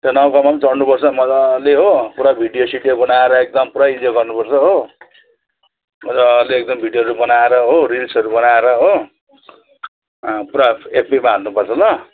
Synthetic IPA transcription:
t̪ʌnʌwkʌmat͡sʌrnupʌrt͡sʰʌmʌd͡zaleɦopuɾabʱiɖijosiʈjebʌnaeɾʌek̚d̪ʌmpuɾaid͡zoɡʌrnupʌrt͡sʰʌɦo | mʌd͡zʌleek̚d̪ʌmbʱiɖijoɦʌɾubʌnaeɾʌɦoɾilisʌɾubʌnaeɾʌɦo | puɾaepʰemaɦalnupʌrt͡sʰʌlʌ

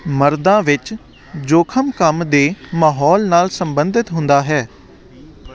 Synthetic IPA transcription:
məɾd̪ãːʋɪt͡ʃ | d͡ʒoːkʰəmkəmd̪eːmaːɦɔːlnaːlsəmbənd̪ɪt̪ɦʊ̃nd̪aːɦɛː

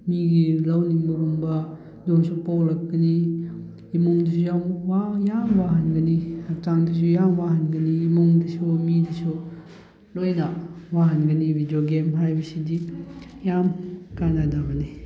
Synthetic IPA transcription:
miɡilawnimuɾuŋbɐ | doŋsupawɾɐk̚ɡɐniː | moŋdɐs̬ʰujamwajamwaɦɐnɡɐniataŋdɐs̬ujamwaɦɐnɡɐniːmoŋdɐsumidɐsu | lojnɐwaɦɐnɡɐnibʱidioɡemɦajbɐsidijamkanadabɐni

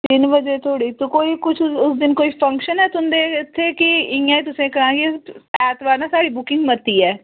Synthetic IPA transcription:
t̪ɪnbəd͡ʒeːt̪ʰoːɽiːt̪õkoːiːkʊt͡ʃʰʊsd̪ɪnkoːiːpʰəŋkʃənɦɛːt̪ʊnd̪eːɪt̪ʰːeːkɪɪãːiːt̪ʊsẽːkəɾãːɡeɛːt̪ʋaːɾnãːsaːɽiːbʊkɪ̃ŋɡmət̪ːiːɛː

